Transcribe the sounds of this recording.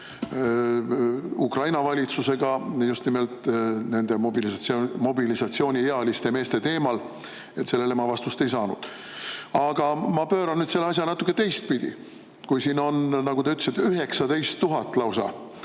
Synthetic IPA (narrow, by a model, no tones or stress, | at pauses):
ukrɑjnɑvɑlʲit̪suse̞ɡ̥ɑjust̪nimelt̪ˑne̞nd̪e̞mobilisɑsomo̞bilisɑt̪sio̞ːnʲieɑlist̪eme̞ːst̪e̞t̪e̞ːmɑl | e̞t̪se̞lːe̞lemɑvɑst̪ust̪e̞jsɑːnṵd̪̥ | ɑɡ̥ɑmɑpøːɾɑnnyːd̪se̞lːeɑs̬ʲjɑnɑt̪ːˑu̥kːˑe̞t̪e̞jst̪̚pid̪ʲḭ | kujsino̞nnɑɡ̥ut̪eyt̪ˑːsit̪ːeyɦe̞ksɑd̪e̞jst̪ːuɦɑt̪ːˑlɑwsɑ̰